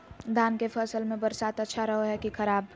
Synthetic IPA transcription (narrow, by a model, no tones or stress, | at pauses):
d̪ʱaːnkepʰəsəlmẽbəɾsaːt̪ətːʃʰaɾəɦoɦɛkikʰəɾaːb